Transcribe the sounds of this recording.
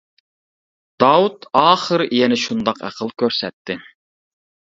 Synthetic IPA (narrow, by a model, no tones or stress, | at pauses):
d̪̥ɑwut̪ɑːχəɾijɛnɪʃund̪ɑqæ̰qʰəlˠkʲʰøɾsɛt̪ʰːɪ